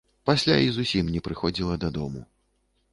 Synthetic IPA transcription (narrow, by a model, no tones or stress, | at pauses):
pasʲlʲaizusʲimnʲɛpɾɨxɔd͡zʲilˠɐd̪ɐd̪ɔmṵ